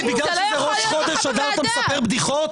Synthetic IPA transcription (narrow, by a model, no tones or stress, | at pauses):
biɡlal | leʁoʃχo̞d̪eʃad̪at̪amesape̞ʁbd̪iχo̞t